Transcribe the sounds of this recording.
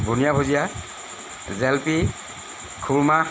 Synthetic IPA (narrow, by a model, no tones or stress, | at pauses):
bʱunijabʱozija | zɛlpi | kʰulma